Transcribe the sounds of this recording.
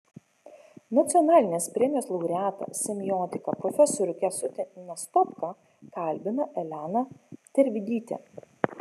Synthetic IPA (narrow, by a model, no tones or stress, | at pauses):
nɐt̪sʲɪɔnɑːlʲɪnʲeːspʲɾʲɛɛmʲijoːslˠɐʊɾʲæːt̪ɐ̰sʲɪmʲjɔːt̪ʲɪkɐpɾɔfʲɛsɔɾʲʊkʲɛsʊt̪ʲɛnʲɐst̪ɔpkɐ | kɐˑlʲˑbʲɪnɐʔɛlʲæːnɐt̪ʲɛɾʲʋʲɪd̪ʲiːt̪ʲḛː